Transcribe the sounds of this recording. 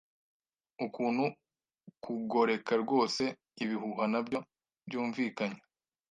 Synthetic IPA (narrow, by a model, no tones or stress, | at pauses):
ukuːnhu | kuɡo̞ɾe̞kaɾɡo̞ːse̞ | iβihuɦanabɟo̞ | bɟuːɱviːkaɲa